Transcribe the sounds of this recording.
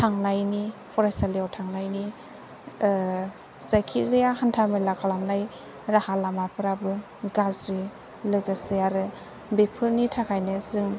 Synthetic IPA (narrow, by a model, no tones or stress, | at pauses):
tʰaŋnajnipʰɔɾajsalijawtʰaŋnajni | z̥akʰizejahantʰamelakʰalamnaj | ɾahalamapʰɯɾabɯ | ɡazɾi | lɯɡɯsɯjaɾɯ | bepʰɯɾnitʰakʰajnɯzɯŋ